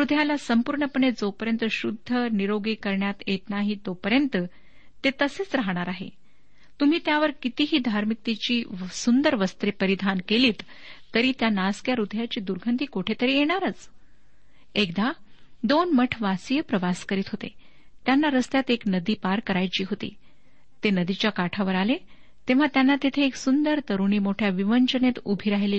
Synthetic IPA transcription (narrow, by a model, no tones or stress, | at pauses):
ɾud̪ʱjalasəmpuːɾɳəpəɳed͡zopəɾjənt̪əɕud̪ʱːəniɾoɡikəɾɳjat̪jet̪naɦiːt̪opəɾjənt̪ə | t̪et̪əset͡sɾaɦɽ̃aɾaɦḛ | t̪um̤iːt̪jaʋəɾkit̪iːɦiːd̪ʱaɾmik̚t̪it͡ɕiːsund̪əɾʋəst̪ɾepəɾid̪ʱankeliːt̪ː | əɾiːt̪janaskjaɾud̪ʱjat͡ɕiːd̪uɾɡʱənt̪iːkoʈʰet̪əɾiːjeɽ̃aɾət͡s | ekd̪ad̪onməʈʰʋasijəpɾəʋaskəɾiːt̪ɦot̪ḛ | t̪janːaɾəst̪jat̪eknəd̪iːpaɾkəɾajt͡ɕiːɦot̪ḭː | t̪enəd̪it͡ɕjakaʈʰaʋəɾale | t̪eʋ̤at̪janːat̪et̪ʰeːksund̪əɾt̪əɾuɳ̃iːmoʈʰjaʋiʋəɲt͡ɕənet̪ubʱiɾaɦile